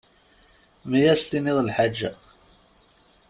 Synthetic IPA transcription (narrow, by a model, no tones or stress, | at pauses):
mijæst̪iniðˤəlħad͡ʒːæ